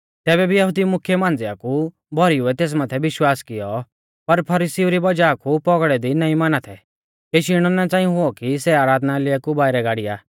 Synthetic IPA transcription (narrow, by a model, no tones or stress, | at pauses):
t̪ɛːβɛbʱijɐɦʊd̪imʊkʰjemãːnd͡zɪa̰ku | bʱɔɾiuɛt̪eːs̬maːt̪ʰɛʋɪʃwaːskɪjɔ | pɐɾpʰɐɾiːsiuɾibɐd͡ʒaːkupɔɡɽɛd̪inɐĩmaːnat̪ʰɛ | keːʃɪɽ̃ɔnat͡sãːĩɦʊɔkisɛaːɾaːd̪nalɪakubaːɪɾɛɡaːɽɪja̰ː